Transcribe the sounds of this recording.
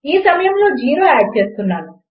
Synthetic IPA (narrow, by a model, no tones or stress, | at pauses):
iːsɐmɐjɐmlo̞ːd͡ʒiːɾoːaːʈ̚t͡ʃe̞ːst̪unːaːnu